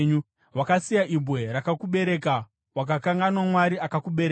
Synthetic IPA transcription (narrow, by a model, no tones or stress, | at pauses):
ɲu | wakasijaʔibʱweɾakakuɓe̞ɾe̞ka | wakakaŋɡanwamwaɾiakakuɓe̞ɾe